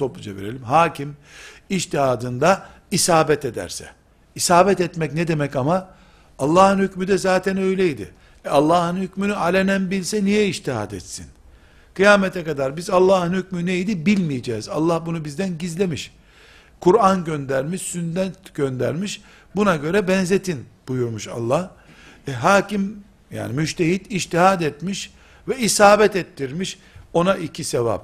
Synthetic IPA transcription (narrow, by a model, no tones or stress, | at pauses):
t̪ʰopud͡ʒevḛɾelʲimɦaːcʰim | iʃt̪ihaːd̪ɯnd̪a | isaːbɛt̪ed̪æ̰ɾsɛ̰ | isaːbɛt̪ɛt̪mɛcnɛd̪e̞mɛcamaː | lˠːaːhɯnhycmyd̪ɛzaːt̪ʰɛnø̞jlʲɛjd̪ɪ̰ | alˠːaːhɯnhycmynyalʲenænbilʲsɛnijɛiʃt̪iɦa̰ːd̪ɛt̪sin | kʰɯjaːmɛt̪ʰɛkad̪aɾbizalˠːaːhɯnhycmynejd̪ibilʲmijed͡ʒɛːza̰lˠːahbunubizd̪ænɟizlʲe̞miʃ | kʰuɾanɟønd̪æɾmiʃsynd̪ɛnt̪ɟ̥ønd̪æ̰ɾmiʃ | bunaɟø̞ɾɛbɛnzet̪ʰinb̥ujuɾmuʃa̰lˠːah | ɛɦaːcim | ja̰ːnimyʃt̪ʰeɦit̪iʃt̪iɦad̪ɛt̪miʃ | vɛisaːbɛt̪ɛt̪ʰːiɾmiʃ | o̞naʔicʰiseva̰p̚